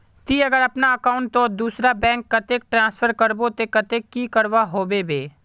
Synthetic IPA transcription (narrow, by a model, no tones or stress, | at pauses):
t̪iːɐɡəɾɐpnaɐkaːʊɳʈt̪ːõd̪uːsɾabɛ̃ːŋkːɐt̪eːk̚ʈɾãːspʰəɾkəɾbot̪ekət̪eːkːikəɾʋaɦoːbebeː